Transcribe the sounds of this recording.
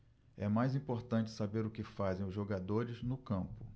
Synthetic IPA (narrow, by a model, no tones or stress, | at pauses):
ɛmajzĩpoɾt̪ɐ̃t͡ʃɪ̥sabeɾʊkɪfazẽj̃ʊzʒoɡad̪oɾɪznʊkɐ̃mpʊ